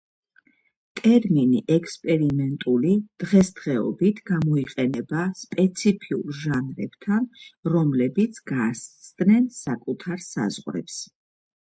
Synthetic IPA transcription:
t̪ʼɛɾminiʔɛkspʼɛɾimɛnt̪ʼulid̪̥ʁɛsd̪ʁɛɔ̰bit̪ʰɡamɔiqʼɛnɛbaspʼɛt̪sʰipʰiṵɾʒanɾɛb̥t̪ʰanɾɔmlɛbit̪sʰɡassʰt̪ʼnɛnsakʼut̪ʰaɾsa̰zʁɾɛ̰ps

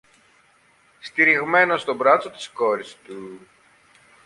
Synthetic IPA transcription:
st̪iɾiɣme̞no̞st̪o̞bɾɐt͡sot̪i̥sko̞ɾist̪u

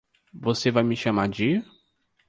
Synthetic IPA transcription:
vosevajmɪʃamaɾd͡ʒɪ

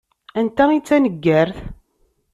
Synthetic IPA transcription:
ænt̪æit͡sːænəɡːæɾθ

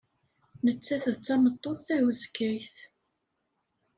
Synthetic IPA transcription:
nət͡sːæθðt͡sːɑmət̪ˤːoðˤθæwəzkːæjθ

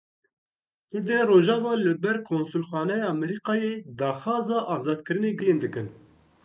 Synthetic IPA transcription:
k̪ʊɾd̪ɛroːʒɑːvɑːlɨbɛɾkʰoːnsulxɑːnɛjɑːmɛɾiːqɑːjeːd̪ɑːxɑːzɑːʔɑːzɑːd̪kɨɾɨneːɡɨjɨnd̪ɨkɨn

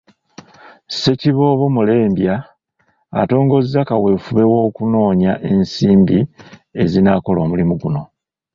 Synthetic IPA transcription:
se̞ciβo̞ːβo̞mule̞ːmbja̰ː | to̞ːŋɡo̞zːakawe̞fuβe̞wo̞ːkuno̞ːɲaʔe̞nsiːmbie̞zinako̞lo̞ːmulimuɡuno̞

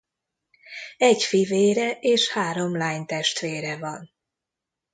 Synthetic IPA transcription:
ɛɟfiveːɾɛʔeːʃhaːɾo̞mlaːjɲnt̪ɛʃt̪ʋeːɾɛvɒn

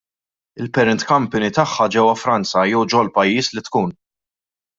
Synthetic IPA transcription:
ɪlpɛɾɪnt̪kɐmpɪnit̪ɐħːɐd͡ʒɛwɐfɾɐnt͡sɐjɛwd͡ʒɔlpɐjːiːslit̪kuːn

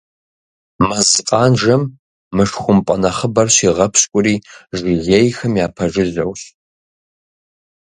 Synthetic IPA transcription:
mɐzɨqʼɑːnʒɐmː | ɨʂχʷʊmpʼɐnɐχəbɐrɕiʁɐpʰɕkʷʼʊɾiːʒiʁʲejxɨmjaːpʰɐʐɨzɐwɕ

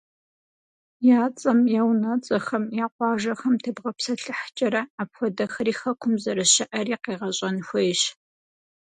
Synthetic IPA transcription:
jaːt͡sʼɐmjɛwnɐt͡sʼɐxɐmjaːqʷɑːʒɐxɐmtʰɨbʁɐpsɐɬɨħt͡ʃʼɐɾɐaːpxʷɔdɐxɐɾiːxɐkʷʰʊmzɐɾɐʃɐʔɐriːqeːʁɐɕʼɐnxʷɔjɕ

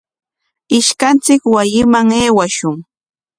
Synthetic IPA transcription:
ɪʃkant͡sɪkwajɪmaŋeːwaʃʊŋ

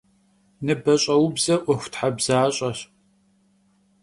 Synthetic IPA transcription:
nɨbɐɕʼɐwbzɐʔʷɔxʷtħabz̥aːɕʼɐɕ

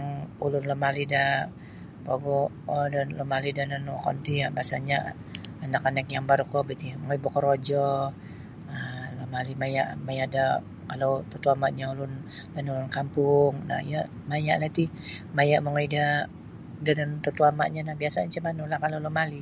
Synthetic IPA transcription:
aŋulʊnlɔmalida | baɡɔ | ɔdanlɔmalidananwakɔ̰nt̪ijabasaɲa̰ | anakanakjaŋbaɾukɔbit̪imaŋoibɔkɔɾod͡ʒɔ | əlɔmalimajaʔmajaʔda | kalowt̪ət̪uamaʔɲaulʊn | danulʊnkampʊŋna̰hija | majaʔlat̪imajaʔmaŋoida | danant̪ət̪uama̰ʔɲanahbiasaɲt͡ʃəmanulahkalolɔmali

